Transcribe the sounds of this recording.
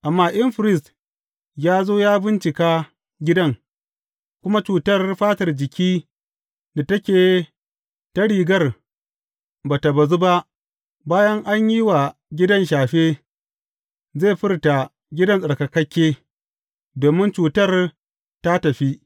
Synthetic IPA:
ʔa˨mːaː˦ʔɪ˦mɸɪ˨ɾɪ˦st | jaː˦zoː˦jaː˦bɪ˦nt͡ʃɪ˨kaː˦ | ɡʲɪ˦dɐ˦ŋ | kʷʊ˦ma˦t͡ʃuː˨tɐ˦rɸaː˦tɐ˨rd͡ʒɪ˨kʲiː˦ | da˨tɐ˦kʲeː˨ | tɐ˦ɽiː˨ɡɐ˦˨r | baː˨ta˨bɐ˨zu˦ba˦ʔ | baː˦jɐ˦ŋʔa˦ɲji˦wa˨ɡʲɪ˦dɐ˦nʃ̬aː˨ɸeː˦ | zeː˦˨ɸɪ˦rta˨ | ɡʲɪ˦dɐ˦nsʼɐ˨ɽkɐ˨kɐ˦kʲːeː˦ | doː˨mɪ˦nt͡ʃuː˨tɐ˦r | ta˦tɐ˨ɸi˦ʔ

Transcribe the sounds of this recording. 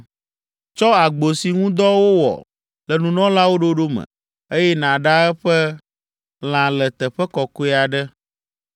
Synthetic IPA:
t͡ʃɔ˦a˨ɡ͡bo˨si˨ŋũ˦d̪ɔ˦wo˦wɔ̰˨ | lɛ˨nũ˨nɔ̃˦la˦wo˦ɖo˦ɖo˦mə̰̃˨ | e˦jɛ˦nã˨ɖa˦ɛ˦ɸɛ˦ | l̃ã˨lɛ˨t̪ɛ˨ɸɛ˦kɔ˨kɛ˦a˨ɖɛ˦

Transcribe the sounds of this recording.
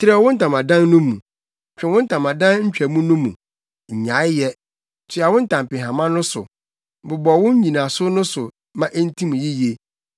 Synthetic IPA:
tʰɪ˦ɾɛ˦˨wʊ̃˦n̩˦tã˨mã˨dã˦nːʊ̃˦mũ˨ | t͡ɕᶣɛ˨wʊ̃˦n̩˦tʰã˨mã˨dã˦nɲ̩˦t͡ɕᶣæ˨mũ˦nũ˦mːṵ̃˨ | ɲ̩˨ɲã˨˦ɪ˦jɛ˦ | tʰɪ˦a˨wʊ̃˦n̩˦tã˨m˨pɪ̃˨ɦã˨mã˦nʊ̃˦sʊ̰˨ | bʊ˨bɔ˨wʊ̃˦ɲ˦ɲĩ˨nã˨sʊ˦nʊ̃˦sʊ˨ | mã˦ʔe˦n˦tʰĩ˦mũ˨ji˦je˨

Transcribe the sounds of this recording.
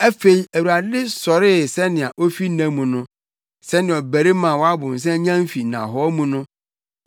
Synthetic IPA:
æ˦fe˨i˦æ˨wu˨ɾa˨dɪ˦sɔ˨ɾɪ˦˨sɛ˦nɪ̃˨a˨ʔo˦fi˦nã˨mũ˨nʊ̃˦ | sɛ˦nɪ̃˨ɔ˨bæ˨ɾe˦mã˨wɔ˦a˦bʊ̃˨n̩˨s̬ɛ̃˦ɲã˦m˦fi˨nã̰˨ɦɔ˦mũ˨nʊ̃˦

